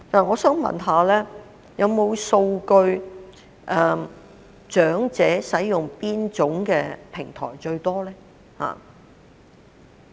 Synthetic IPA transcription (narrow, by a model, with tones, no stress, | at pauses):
t̪aː˨˩ŋɔː˨˧sœː˥ŋmɐ̰˨˩nɦaː˨˧lɛː˥ | jɐ˨˧wmo˨˧wso˧wkɵ˧ɥ | ʔɛ˧ | t͡ʃœː˨˥ŋt͡sɛː˨˥sɐ˨˥jjʊ˨˩ŋpiː˥nt͡sʊ˨˥ŋkɛː˧pʰɪ˨˩ŋt̪ʰɔ̰ː˨˩jt͡ʃɵ˧ɥt̪ɔː˥lɛː˥ | ha̰ː˨˩